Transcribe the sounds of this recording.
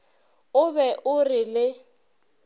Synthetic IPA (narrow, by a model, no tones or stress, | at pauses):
ʊbɛʔʊrɪlɪ